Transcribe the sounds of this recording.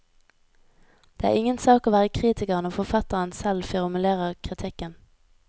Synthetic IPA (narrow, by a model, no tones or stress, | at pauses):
d̪̥eːæ̰ːʁɪŋənsɑːkoːʋæːʁəkʰʁiːt̪ɪkəʁənoːfɔfɑt̪əʁənsɛlfɪʁmʉleːʁəʁkʰʁɪt̪ʰɪkən